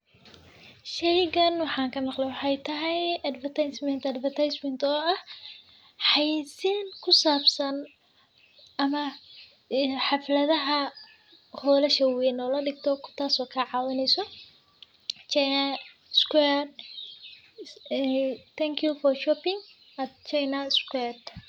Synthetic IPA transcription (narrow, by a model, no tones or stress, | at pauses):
ʃɛjɡɐnwɑħɑːŋkʰɐmɑqlɛjwɑħɑjt̪ʰɐɦɛjɐd̪vɐrt̪ʰajsmɛnt̪ɐd̪fɐrt̪ʰajsmɛnt̪ʰɔːɐh | ħɑjsiːnkʰʊsaːbsɐn | ʔɐmɐ | ħɑflɐðɐɦɐ | hɔːlɐʃɐwɛːnɔːlɐɖɪɡ̚t̪ʰɔkʰʊ̥t̪ʰaːsɔːkʰɐʕɑːwɐnɛjsɔ | t͡ʃanɐ | skwɛd | t̪ʰɛŋkʰjufɔrʃɔːpɪŋ | ɐt͡ʃajnɐskwɛd̪